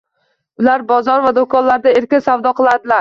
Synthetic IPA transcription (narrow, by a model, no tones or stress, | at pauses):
ʊlaɾbɒzɒɾvad̪okʰɒnlaɾd̪aeɾkʲɪnsawd̪ɒqʰɨlˠad̪ɪlaɾ